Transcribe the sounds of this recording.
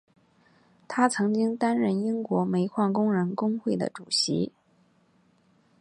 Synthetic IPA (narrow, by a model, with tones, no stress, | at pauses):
t̪ʰa˥t͡sʰɤ˧˥ŋt͡ɕi˥ŋt̪a˥nɻə˥˩ni˥ŋkwɔ˧˥me˧˥ɪkʰwɑ˥˩ŋkʊ˥ŋɻə˧˥nkʊ˥ŋxwe˥˩ɪd̪ə̰˩ʈ͡ʂu˨˩ɕḭ˧˥